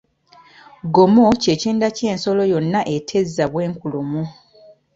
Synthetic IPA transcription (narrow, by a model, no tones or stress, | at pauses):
ɡomo̞ceciːndace̞ːnso̞lo̞jo̞nːaʔetʰezːaβwe̞ːŋkulomu